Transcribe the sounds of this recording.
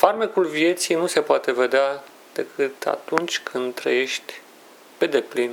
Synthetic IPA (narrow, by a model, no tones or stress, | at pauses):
farmekulvie̞t̪sijnuse̞poat̪e̞ve̞d̪ea | d̪̥e̞kʰɨt̪a̰t̪unt͡ʃʲkʰɨnd̪t̪ːɾə̰je̞ʃt̪ʲ | pe̞d̪e̞plin